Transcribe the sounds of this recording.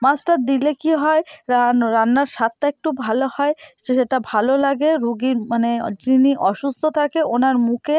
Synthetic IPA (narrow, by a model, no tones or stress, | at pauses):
masʈaɾd̪ilekiɦɔeɾaɾanːaɾʃat̪ːaek̚ʈubʱalohɔeʃʃeʈabʱalolaɡeɾuɡiɾmaned͡ʑɾiniʔɔʃust̪ʰot̪ʰakeʔonaɾmuke